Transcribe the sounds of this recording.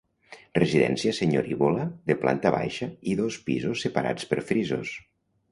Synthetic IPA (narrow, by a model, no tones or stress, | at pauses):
reziðɛ̰nsiaseɲoɾiβolaðeplʔa̰nt̪aβa̰jʃaiðospizosːepaɾa̰t͡spəɾfɾizo̰s